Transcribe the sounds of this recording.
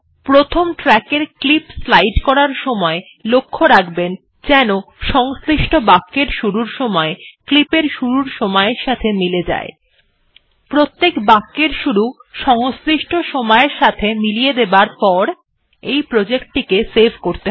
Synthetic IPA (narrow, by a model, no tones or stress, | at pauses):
pɾot̪ʰomʈɾɛkeɾklipslajʈkɔɾaɾʃɔmɔe | lokʰːoɾakben | d͡ʑɛnoʃɔŋsɾiʃʈʰobakːeɾʃuɾuɾʃɔmɔeklipeɾʃuɾuɾʃɔmɔeɾʃat̪ʰemiled͡ʑa̰e | pɾot̪ːekbakːeɾʃuɾuʃɔŋsɾiʃʈʰoʃɔmɔeɾʃat̪ʰemilijed̪ebaɾpɔɾ | ejpɾod͡ʑekʈikesebʱkoɾt̪e